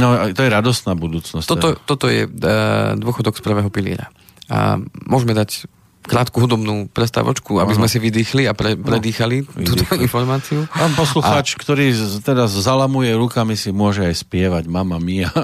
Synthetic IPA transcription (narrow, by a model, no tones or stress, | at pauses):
nɔt̪ɔjɛɾad̪ɔst̪naːbud̪uːt͡snɔsɔɔt̪ɔt̪ɔjɛ̰ | d̪ʊɔxɔd̪ɔkspr̩ʋɛːɦɔpilɪ̰ɛ̰ɾa̰ | mʊɔʒmɛd̪ac | kɾaːt̪kuɦud̪ɔbnuːpɾɛst̪a̰ʋɔ̰t͡ʃkuabizmɛsiʋid̪iːxliapɾɛpɾɛd̪iːxaliuːt̪ɔinfɔɾmaːt͡siuapɔsluxaːt͡ʃkt̪ɔɾiːt̪ɛd̪azːalamujɛɾukamisimʊɔʒɛajspɪɛʋaɟmamamia